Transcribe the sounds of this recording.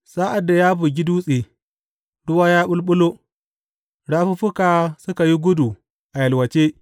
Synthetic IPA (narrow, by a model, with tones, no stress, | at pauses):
sa˦ʔa˨dːa˨ja˦bu˨ɡʲi˦duː˦sʼe˨ | dʊ˦waː˦ja˦ɓʊ˦lɓʊ˦lo˦ | ɽa˦ɸu˦ɸʊ˦ka˨sʊ˦ka˨ji˦ɡʷʊ˦du˨ | ʔa˨jɐ˨lwɐ˨t͡ʃe˦